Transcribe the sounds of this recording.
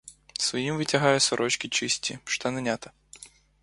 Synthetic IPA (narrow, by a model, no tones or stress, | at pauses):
sʋɐjimvɨtʲɐɦajɛsɐɾʔɔt͡ʃkʲit͡ʃɪsʲtʲiʃt̪anɐnʲat̪ɐ